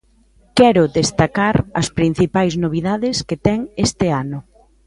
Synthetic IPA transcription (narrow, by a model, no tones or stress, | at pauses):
kɛɾʊðest̪akaɾɐspɾin̟θipajznoβ̞iðaðɪsket̪ɛŋest̪ɪanʊ